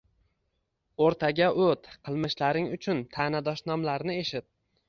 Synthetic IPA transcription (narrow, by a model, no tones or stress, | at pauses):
oɾt̪ʰaɡʲaʔɵt̪qʰɨlˠmɪʃlaɾɪŋʊt͡ʃʰʊnt̪ʰaːnad̪ɒʃnɒmlaɾnɪe̞ʃɪt̪̚